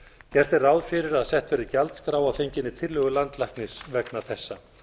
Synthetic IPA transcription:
cɛr̥t̪ɪrawðfɪɾɪɾaðsɛht̪fɛːɾɪcalt̪skɾaːwafejɲcɪnːɪt̪ʰɪlːʏɣʏlant̪lajhknɪsvɛknḁθɛsːa

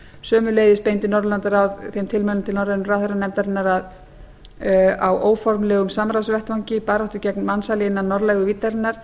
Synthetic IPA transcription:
sœːmʏleːjðɪspejnt̪ɪnɔɾlant̪aɾawθemt̪ʰɪlmɛlʏmt̪ʰɪlnɔɾlɛnʏmraθeɾanɛmt̪aɾɪnːaɾað | awʔoːwfɔɾmlɛːɣʏmsamɾasvɛht̪vawɲcɪpaːɾaht̪ʏcɛknmansalɪɪnːanːɔɾlɛɣʏviːt̪ːaɾɪnːaɾ̥

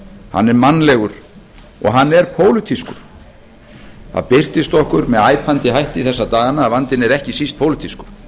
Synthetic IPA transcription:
ha̰nːɛɾmanːlɛɣʏɾ̥ | ɔ̰ɣɦanːɛɾpʰoːwlʏt̪ʰiskʏɾ̥ | θa̰ðpɪr̥t̪ɪst̪ɔhkʏɾmɛðaːjpʰant̪ɪɦajht̪ɪiθɛsːat̪aːɣanaːvant̪ɪnɛɾɛhcɪsist̪̚pʰowlɪt̪ʰiskʏɾ̥

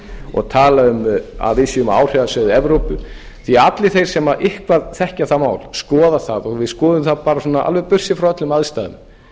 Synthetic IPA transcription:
ɔ̰ɣt̪ʰaːlaʏma̰ðvɪsʏʏma̰ːwr̥ɛðasœːðɪɛvɾowpʏ | θiat̪lɪθejɾ̥sɛmaʔɪhkvaðθɛhcaθaðmaːwlskɔːðaθaðɔɣvɪðskɔːðʏmθaðpaːɾasɔːnaʔa̰lvɛpʏr̥sɪfɾaœt̪lʏmaðst̪aːðʏ̰m

